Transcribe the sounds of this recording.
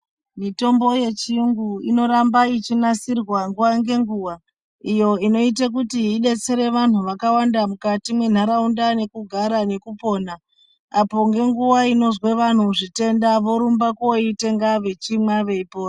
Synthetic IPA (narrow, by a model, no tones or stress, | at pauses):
mito̞mbo̞je̞t͡ʃiuŋɡuino̞ɾambait͡ʃinasirwaŋɡuwaŋɡe̞ŋɡuːwa | ijo̞ino̞it̬ak̬utiːɗe̞t͡se̞ɾe̞ʋan̤uʋakawandamukatimwe̞n̤aɾaundane̞kuɡʱaɾane̞kupo̞ːna | apo̞ŋɡe̞ŋɡuʋaino̞zwe̞ʋan̤uʐite̞ndaʋo̞ɾumbakoite̞ŋɡaʋe̞t͡ʃimaʋe̞ipoːra